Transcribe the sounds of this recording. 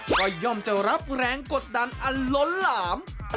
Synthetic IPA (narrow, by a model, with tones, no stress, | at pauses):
kɔː˧˩jɔː˧˩mt͡ɕa˨˩ɾa˦˥p̚ɾɛː˧ŋko˨˩t̪̚da˧˩nʔa˧nlo˦˥nlaː˩˦m